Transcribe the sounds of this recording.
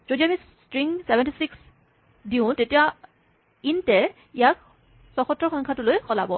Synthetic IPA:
z̥odiami | stɹiŋsebɛntisiks | diʊ̃tetija | intɛ | ijak̚ | sɔxɔtɹɔxɔŋkʰatʊlojxɔla̰bɔ

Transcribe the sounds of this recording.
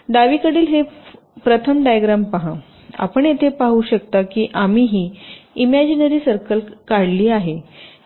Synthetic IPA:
d̪aʋiːkəɽiːlɦe | pɾət̪ʰəmɖajəɡɾampaɦã | a̰pəɳjet̪ʰepaɦuːɕəkt̪akiːʔamiːɦiːimæd͡ʑinəɾiːsəɾkəlkaɽliːaɦe

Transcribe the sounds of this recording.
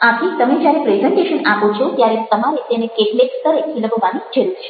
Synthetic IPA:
apɾit̪əmed͡ʒjaɾepɾezəɳʈeʃənapot͡ʃʰot̪jaɾet̪əmaɾet̪enekeʈlekst̪əɾekʰiləbʱoʋanid͡ʒʰʱelt͡ʃʰe̥

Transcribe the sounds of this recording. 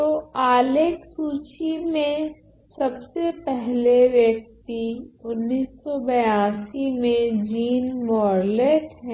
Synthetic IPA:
t̪oaːleːksuːt͡ʃimẽ | sɐbsepɛɦleʋjɐk̚t̪iʊnːiːsːɔbɐjaːsimẽd͡ʒiːnmɔːɾleːʈɦɛ̃ː

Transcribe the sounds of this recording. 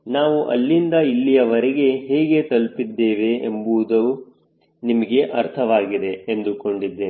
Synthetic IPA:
naːʋuʔɐ̰lːind̪ɐilːijɐʋɐɾeɡe̞ɦeːɡe̞t̪ɐlpid̪ːe̞ːʋe̞ːmbud̪ɐʋu | nimɐɡe̞ʔɐɾt̪ʰɐʋaːɡid̪e̞ːnd̪uko̞ɳɖid̪ːeː

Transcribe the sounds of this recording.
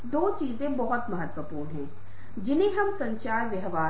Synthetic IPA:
d̪oːt͡ʃiːzẽbɐɦɔt̪mɐɦət̪ʋəpuːɾɦɛ̃ː | d͡ʒɪnẽɦɐmsɐ̃ɲt͡ʃaːɾʋjɐɦʋaː

